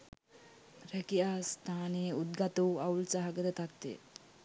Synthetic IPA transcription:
ɾækiaːst̪aːnejəut̪̚ɡat̪uwawlsaɦaɡəd̪ət̪at̪ːḛ

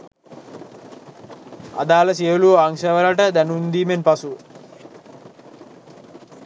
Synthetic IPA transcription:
a̰d̪aːləs̬iəluaŋʃəʋəlaʈəd̪ænund̪iːmenpasu

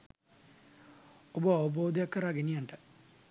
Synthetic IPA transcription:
oboɐʋɐboːd̪jɐkːɐɾaːɡenijɐɳɖɐ

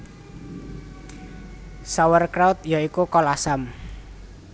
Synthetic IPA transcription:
sawərkɾaut̪̚jaikukɔlasam

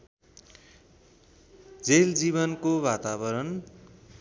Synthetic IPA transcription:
d͡zeld͡ziβʌnkoβat̪aβʌɾʌn

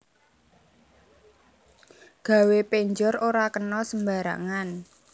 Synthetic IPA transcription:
ɡ̥a̤wepeɲd͡ʒɔɾoɾakənɔsəmbaɾa̰ŋan

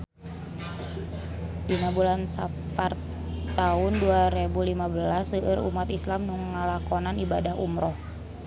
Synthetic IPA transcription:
dinabulansa | par | t̪aʊnduaɾebulimabəlasəʔːɾṵmat̪islamnuŋːəlakɔnanibadaɦṵmɾɔh

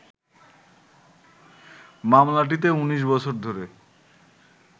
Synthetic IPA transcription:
mamlaʈ̬it̪̬euniʃ̬bɔt͡ɕʰoɾd̪ʱoɾe

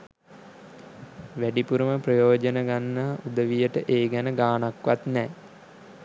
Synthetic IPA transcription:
ʋæɖipuɾəməprəjoːd͡ʒənəɡanːaːʔud̪əʋijəʈəʔeːɡænəɡaːnakʋat̪nɛː

